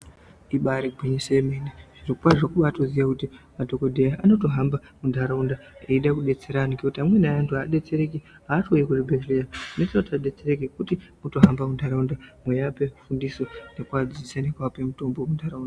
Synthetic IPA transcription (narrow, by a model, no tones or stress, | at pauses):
iɓaɾiɡʱwiɲisemeneʐ̥irokukwaʐakuɓatoziʋakutimadʱo̞ko̞dʱejaʔano̞to̞ɦambamundʱaɾaundaeiɗakuɗe̞t͡se̞ɾanokekutiamwenajantuaɗe̞t͡se̞ɾe̞ki | ɦaːtojekuribʱetlejainetinotaɗe̞t͡sere̞kekutimuto̞ɦambamundʱaɾaundamwejape̞fundiso̞ne̞kuad͡zisanekwapemuto̞mbomundʱaɾaunda